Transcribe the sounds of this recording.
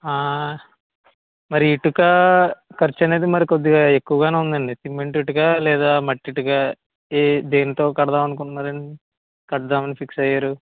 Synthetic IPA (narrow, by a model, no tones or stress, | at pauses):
aː | mɐɾiːʈukaːkɐɾt͡ʃːɐne̞ːd̪imɐɾikod̪ːiɡaːe̞kːuʋɐɡaːneːund̪ɐɳɖisimːeɳʈiʈukaːlɛːd̪aːmɐʈːiʈukaː | ed̪e̞ːnit̪o̞ːkɐɽɐd̪aːmɐnuk̬uɳɖunaːɾɐni | kɐɽɐd̪aːmɐnipʰiksɐjːaːɾu